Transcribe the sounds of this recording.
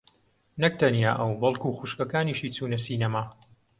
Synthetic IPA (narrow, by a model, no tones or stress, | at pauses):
nɐk̚t̪ʰɐnja̰ːʔɐwbɐlˠkuxuʃkɐkaːniʃiːt͡suːnɐsiːnɐmaː